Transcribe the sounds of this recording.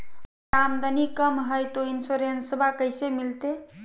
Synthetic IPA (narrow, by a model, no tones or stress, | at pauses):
ɾamd̪ənikəmɦəjt̪oinsoɾensəbʱakəjsemilt̪e